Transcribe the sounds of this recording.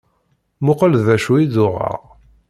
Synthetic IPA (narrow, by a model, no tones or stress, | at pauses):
mʊqəlðæʃuiðʊʁɑ̰ʁ